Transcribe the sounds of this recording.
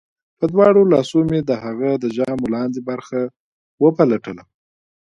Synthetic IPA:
pəd̪wɑɽolɑsumed̪əhaɣad̪əʒɑmlɑnd̪ebaɾxa | wəpalaʈəla

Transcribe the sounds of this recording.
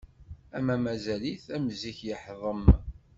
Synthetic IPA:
æmæmæzæliθæmziçjəħðˤəm

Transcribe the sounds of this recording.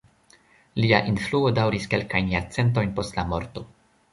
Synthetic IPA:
liaʔinfluo̞dawɾiske̞lkajnjaɾt͡se̞nt̬o̞jnpo̞stlamo̞̰ɾto̞

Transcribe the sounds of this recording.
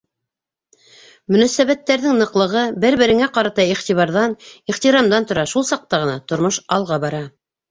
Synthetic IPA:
mɵ̆næsæβæt̪ːæɾðɘŋnɤ̆qlˠɤ̆ʁɤbɘɾβɘ̆ɾɘ̆ŋæqɑɾɑt̪ɑiχt̪iβɑɾðɑniχt̪iɾɑmd̪ɑnt̪ŏɾɑʃulˠsɑq̚t̪ɑʁɤ̆nɑt̪ŏɾmoʃɑlˠʁɑbɑɾɑ

